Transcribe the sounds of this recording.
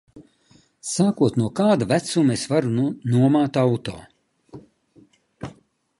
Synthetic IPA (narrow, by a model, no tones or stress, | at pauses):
saːkuɔt̪nuɔkaːd̪avæt̪sumesvaɾunuɔmaːt̪awt̪o̰ː